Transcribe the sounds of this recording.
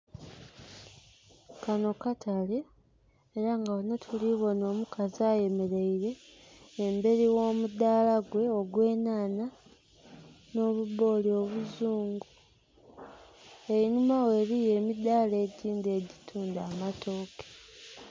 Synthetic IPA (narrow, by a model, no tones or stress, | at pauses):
kano̞katʰaleː | ɾaŋɡaonotʰuliβo̞no̞ːmukaziaːje̞me̞ɾe̞iɾe̞ː | mbe̞ɾiwo̞ːmud̪aːlaɡwe̞oɡwe̞ːnaːna | no̞ːβuβo̞ːlio̞βuzuːŋɡu | ejinumawe̞ːβije̞ːmid̪aːle̞ːɟiːnde̞ːɟitʰuːndaːmatʰo̞ːke̥